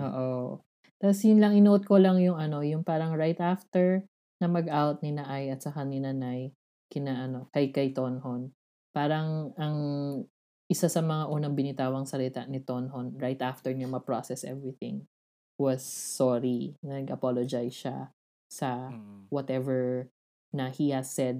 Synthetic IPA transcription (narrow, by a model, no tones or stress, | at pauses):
ʔo̰ːʔo | t̪asjʊnlɐŋɪnot̪̚kolɐŋjʊŋʔɐno̞jʊŋpaːɾɐŋɹajt̪aft̪ɛɹ | nɐmɐɡʔawt̪̚nɪnɐʔajʔɐt̪̚sɐkanɪnɐnaj | kɪnaːʔɐno̞kɐjkɐjt̪onhon | paːɾɐŋɐŋ | ʔɪsasɐmɐŋaʔuːnɐŋbɪnɪt̪aːwɐŋsɐlɪt̪aʔnɪt̪onɦonɹajt̪ʔaft̪ɛɹɲɐmɐpɹosɛsʔɛ̰vɹiθɪ̰̃ŋ | wɔsːɔɹinɐɡʔɐpolod͡ʒajʃa̰ | sɐwɔt̪ɛvɛɹ | nɐhihɐsːɛd̪̚